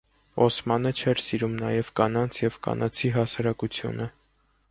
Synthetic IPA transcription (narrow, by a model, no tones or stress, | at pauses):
ɔsmɑnət͡ʃʰɛɾsiɾumnɑjɛvkɑnɑnt͡sʰjɛvkɑ̰nɑt͡sʰiɦɑsɑɾɑkut͡sʰjṵnə